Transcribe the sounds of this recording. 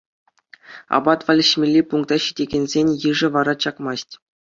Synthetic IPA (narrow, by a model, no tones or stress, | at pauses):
ɑ̰bɑt̪ʋɑlʲɘ̆ɕmʲelʲːipuŋk̚t̪ɑɕidʲeɡʲenʲzʲenʲjɯʐɘ̆ʋɑɾɑt͡ɕɑkmɑsʲtʲ